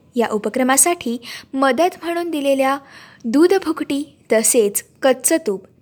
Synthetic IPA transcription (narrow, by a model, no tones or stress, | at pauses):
jaʔupəkɾəmasaʈʰiːməd̪ət̪m̤əɽ̃uːnd̪ileljad̪ud̪bʱukʈiː | t̪əset͡skətt͡sət̪uːp